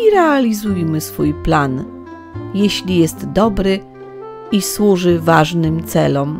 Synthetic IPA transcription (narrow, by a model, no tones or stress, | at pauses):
iɾɛalʲizujmɘsfujplan | jeɕlʲijɛst̪d̪ɔbɾɘ | iswuʐɘvaʐnɘmt̪sɛlɔm